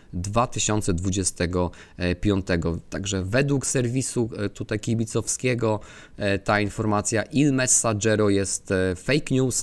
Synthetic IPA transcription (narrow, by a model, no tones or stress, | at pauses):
d̪vat̪ɘɕɔnt̪sɛd̪vud͡ʑɛst̪ɛɡɔ | pʲjɔnt̪ɛɡɔt̪aɡʐɛvɛd̪wuksɛɾvʲisut̪ut̪ajkʲibʲit̪sɔfskʲɛɡɔ | t̪ainfɔɾmat̪sʲjaʔilmɛsːad͡ʐɛɾɔjɛst̪fɛjkɲus